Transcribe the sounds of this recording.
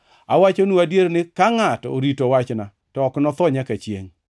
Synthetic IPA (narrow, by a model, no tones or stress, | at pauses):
a̰wat͡ʃonuadjeɾnɪkaŋato̰ɾitowat͡ʃna | tɔːknɔt̪ɔɲakat͡ʃjḛŋ